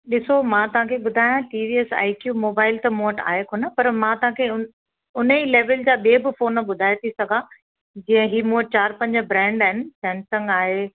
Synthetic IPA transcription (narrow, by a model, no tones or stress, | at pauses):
ɗɪsomãt̪ɐʋ̤ãkʰeɓʊd̪ʱaːjãʈiːʋiːɛsa̰ːɪkjuːmoːbaːɪlt̪ɐmuəʈa̰ːɦekʰonəpɐɾmãt̪ɐʋ̤ãkʰeʊn | ʊn̤əiːleːʋəld͡ʑaːɓieːbɪfoːnəɓʊd̪ʱaːjet̪ʰisɐɡʱã | d͡ʑĩːə̃ɦiːmũɦəʈ̚t͡ɕaːɾpɐ̃ɲd͡ʑəbɾɛ̃ːɳɖaːɦɪnɪ̆sɛ̃ːnsə̃ŋɡaːɦeː